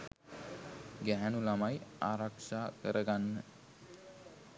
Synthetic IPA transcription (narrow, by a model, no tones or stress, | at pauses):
ɡæɦænulamajaːɾaksaːkəɾʔəɡanːə